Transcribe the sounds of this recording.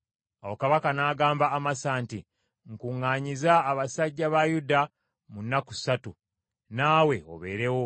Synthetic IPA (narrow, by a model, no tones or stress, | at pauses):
awokaβakanaːɡaːmbaːmasaːnti | ŋkuŋːaːɲizaːβasaɟːaβajuda | munːakusatu | naːwe̞o̞̰βe̞̰ːɾe̞wo̞